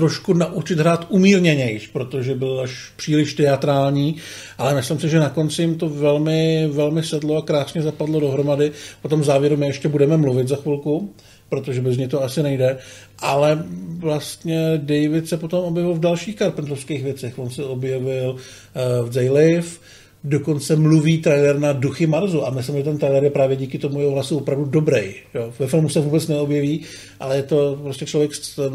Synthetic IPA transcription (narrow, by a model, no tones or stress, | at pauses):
t̪ɾo̞ʃkunaʔut͡ʃɪd̪ɦɾaːt̪ʔumiːɾɲɛɲɛjʃpɾo̞t̪o̞ʒɛbɪlaʃ | pr̝̥iːlɪʃt̪ɛat̪ɾaːlɲiː | ʔalɛmɪslɪmsɪʒɛnako̞nt͡sɪjɪmt̪o̞vɛlmɪvɛlmɪsɛdlo̞akɾaːsɲɛzapadlo̞do̞ɦɾo̞madɪpot̪o̞mvzaːvjɛɾumɪɛʃcɛbudɛmɛmluvɪt̪zaxʋɪlku | pɾo̞t̪oʒɛbɛzɲɛjt̪oasɪnɛjdɛ | ʔalɛvlast̪ɲɛdɛjvɪt̪sɛpo̞t̪o̞mʔo̞bjɛvɪlvdalʃiːxkaɾpɛnd̪ɾofskejxvjɛt͡sɛxvo̞nsɛo̞bjɛvɪl | vd͡zɛjlɪf | do̞ko̞nt͡sɛmluviːt̪ɾɛjlɛɾnaduxɪmaɾzuʔamɪs̬lɪmʒɛt̪ɛnt̪ɾɛjlɛɾjɛpɾaːvjɛɟiːkɪt̪o̞mujɛɦoɦlasuopɾavdudo̞bɾɛjjovɛfɪlmusɛvuːbɛt͡snɛobjɛviː | ʔa̰lɛjɛt̪o̞pɾo̞scɛt͡ʃlo̞vjɛks